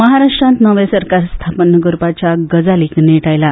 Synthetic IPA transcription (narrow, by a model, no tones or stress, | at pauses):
məɦaɾaʂʈɾãnt̪nəʋjesəɾkaɾst̪ʰapənːəɡəɾupat͡ɕaɡəd͡zaliːkneʈajla